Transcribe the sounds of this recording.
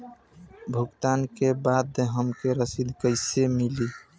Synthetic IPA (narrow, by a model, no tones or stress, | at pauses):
bʱuɡt̪ankebad̪ɦəmkeɾəsid̪ʱkəɪsemili